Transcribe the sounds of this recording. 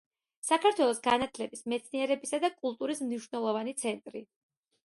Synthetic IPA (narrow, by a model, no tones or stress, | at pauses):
sakʰaɾt̪ʰwɛlˠɔsɡanat̪ʰlɛbismɛt̪sʰniɛɾɛbisad̪akʼulˠt̪ʼuɾismniʃwnɛlˠɔvanit̪sʰɛnt̪ʼɾi